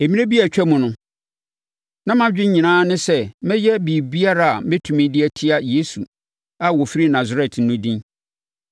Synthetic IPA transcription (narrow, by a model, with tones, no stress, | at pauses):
e˨mĩ˦nẽ˦bi˦æ˨t͡ɕᶣɛ˦mũ˨nʊ̃˦ | nã˦mã˦d͡ʑᶣɪ˦ɲ˦ɲĩ˨nãː˦nɪ̃˦sɛ˦mɪ̃˦jɛ˦bi˨bi˦a˦ɾa˦˨a˨mɪ̃˦tʰũ˨mɪ̃˦dɪ˦ɛ˦tʰɪ˦a˦je˨˦su˨ | a˨wɔ˨fi˦ɾi˦nã˨zɾɛ˨t̩˦nʊ̃˦dĩ˦